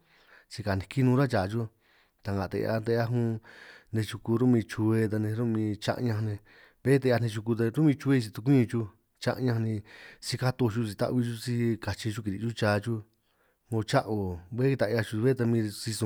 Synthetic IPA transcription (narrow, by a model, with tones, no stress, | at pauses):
t͡ʃi˧ka˨nĩ˧ki˦nũː˧ɾa˦t͡ʃaː˨t͡ʃu˦ | t̪a˧ŋɡã˨t̪ḛ˧a̰˧nt̪e˧a˦ɦũ˦˧nẽ˧t͡ʃu˧ku˧ɾu˦mĩ˧t͡ʃu˧e˧t̪a˧nẽ˧ɾu˦mĩ˧t͡ʃa̰˧ʔɲã˧nẽ˧ | βe˦t̪e˧a˧nẽ˧t͡ʃ̬u˧ku˧t̪̬a˧ɾu˦mĩ˧t͡ʃu˧e˧t͡ʃi˧t̪u˧k̬ʷĩ˦˧t͡ʃu˧ | t͡ʃa̰˦˧ʔɲã˧nĩ˧si˧ka˦t̪u˧t͡ʃu˧si˧t̪a̰˦ʔβi˧t͡ʃu˦˧si˧ka˨t͡ʃi˧t͡ʃu˦ki˧ɾi˧t͡ʃu˦t͡ʃaː˧t͡ʃu˦ | mõ˧t͡ʃa˦ʔo˨βe˦i˧t̪a˨ʔa˧t͡ʃu˧βe˦t̪a˧mĩ˧si˧sũ˧